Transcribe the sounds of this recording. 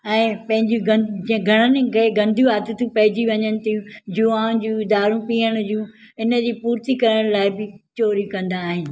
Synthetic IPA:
ɛ̃ːpɐ̃ɦɪ̃ɲd͡ʑiɡɐ̃ɡʱɐɽ̃ənɪ̆kʰeːɡɐ̃nd̪ʱjũaːt̪ət̪ũpɐɦɪd͡ʑiʋɐɲənɪ̆t̪ʰijũd͡ʑioaːʊ̃d͡ʑũɪd̪aːɾũpiːəɽ̃d͡ʑũː | ɪnə̆d͡ʑiːpuːɾt̪ikɐɾəɽ̃laːɪbɪt͡ɕoːɾikɐ̃nd̪aːɦɪnɪ̆

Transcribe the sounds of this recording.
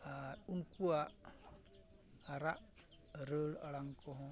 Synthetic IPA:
aunkuaʔ | aɾaʔ | ɾəla̰laŋkʰɔɦɔ

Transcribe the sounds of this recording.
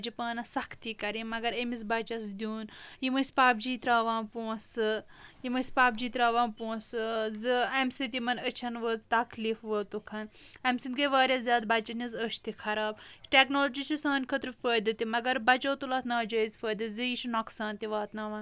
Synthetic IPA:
d͡ʒipaːnɐsɐkʰt̪ikɐɾimɐɡɐɾɐmizbɐt͡ʃɐsd̪ʲjuːnjimɐspaːp̚d͡ʒiːt̪ɾaːʋãːnpoːsɨ | jimɨspaːp̚d͡ʒiːt̪ɾaːʋãːnpoːsɨzɨɐmsit̪imɐnət͡ʃʰɐnʋəːt͡st̪ɐkliːfʋəːt̪ukʰɐnɐmʲsinɡɐʋaːɾʲjɐzʲjaːd̪̚bɐt͡ʃɐnizəʃt̪ikʰɐɾaːbʈeknoːlod͡ʒisisaːnʲkʰət̪ɾɨfəːjd̪ɐt̪imɐɡɐɾbɐt͡ʃoːt̪ulaːt̪naːd͡ʒɐːizfəːd̪ɐzɨjiʃunoksãːnt̪iʋaːt̪naːʋaːn

